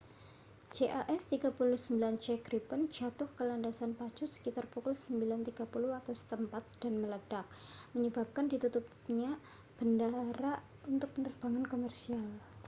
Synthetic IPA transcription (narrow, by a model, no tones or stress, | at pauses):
d͡ʒeʔaʔɛst̪iɡapulʊhsəmbilant͡ʃɛɡɾipənd͡ʒat̪ʊhkəlandasanpḁd͡ʒʊsə̥kit̪arpukʊlsəmbilant̪iɡ̥apuluat̪awsə̥t̪əmpat̪̚d̥anmələd̥ak̚məɲəbap̚kandit̪ut̪up̚ | ɲa | b̥əndaɾa | unt̪ʊk̚pənərb̥aŋankomɛrsial